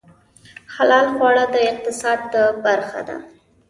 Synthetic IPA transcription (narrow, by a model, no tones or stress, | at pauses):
xalɑlɣwɑɽad̪əɪq̚t̪ɪsɑd̪̚ːəbaɾxa̰d̪a̰